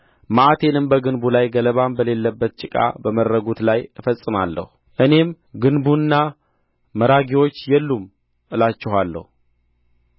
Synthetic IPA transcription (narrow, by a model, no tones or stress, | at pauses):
maʔat̪ʰe̞nɨmbəɡɨnbulajɡələβambəle̞lːəbːət̪̚t͡ʃʼɪkʼa̰bəməɾəɡut̪lajɨfəsʼːɨmalːə̰hu | ʔɨne̞m | ɡɨnbunːa | məɾaɡiwo̞t͡ʃːjɛlːum | ʔɨlat͡ʃːɪɦalːə̰hu